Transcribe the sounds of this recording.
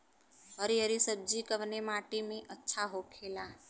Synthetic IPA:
ɦəɾijəɾisəb̚d͡ʒikəʋnemaːʈimẽʔətːʃʰaɦokʰeːla

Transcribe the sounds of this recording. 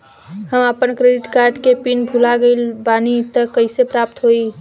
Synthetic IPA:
həməpənkɾeɖiʈkaɾɖkepinbʱulaɡeɪlbanit̪əkəɪsepɾap̚t̪ɦoj

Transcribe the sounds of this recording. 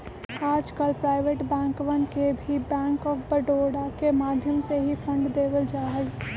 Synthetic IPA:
aːd͡ʒkəlpɾaːɪʋeʈbɛ̃ːŋkʋənkebʱibɛ̃ːŋkɔːfbəɖoɽakemaːd̪ʱjəmseɦipʰə̃ɳɖd̪eːʋəld͡ʒaːɦəl

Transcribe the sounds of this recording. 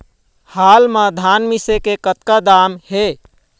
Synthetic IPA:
haːlmãd̪ʱanmisekekət̪kad̪amhe

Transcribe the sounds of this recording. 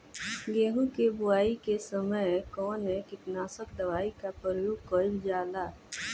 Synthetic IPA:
ɡeːɦũkebʊaːikesəməjkɔːnɦɛkɪt̪naːsək̚d̪əʋaːikapɾəɾəjoːɡ̚kɔːɪld͡ʒaːlaː

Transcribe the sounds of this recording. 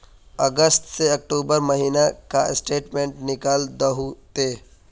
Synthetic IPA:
ɐɡəst̪seɐk̚ʈuːbəɾmɐɦiːnakasʈeːʈmẽːɳʈnɪkald̪əɦut̪e

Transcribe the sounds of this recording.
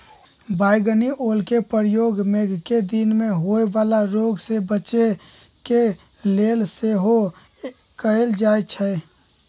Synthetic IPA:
bajɡəniʔolkepəɾjoɡmeɡʱked̪inmeɦoeʋalaɾoɡsebəːt͡ʃe | ke | lelseɦo | kəeld͡ʒaet͡ʃʰɛ

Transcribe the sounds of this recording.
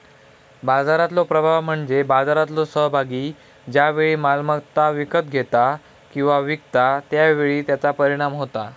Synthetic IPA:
bad͡zaɾat̪lopɾəbʱaʋm̤əɳd͡zebad͡zaɾat̪losəɦbʱaɡiː | d͡ʑjaʋeɭiːmalmat̪aʋikət̪ɡʱet̪a | kĩw̃ʋaʋikt̪at̪jaʋeɭiːt̪jat͡sapəɾiɽ̃amɦot̪a

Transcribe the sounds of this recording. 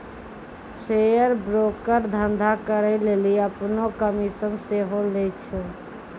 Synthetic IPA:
sejəɾbɾokəɾd̪ʱənd̪ʱakəɾəleliəpnokəmisəmseɦolɛt͡ʃʰu

